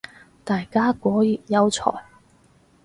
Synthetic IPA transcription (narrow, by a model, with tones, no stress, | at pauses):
t̪aː˨jkaː˥kʷɔː˨˥jyː˨˩t̚jɐ˥wt͡sʰɔ̰ː˨˩j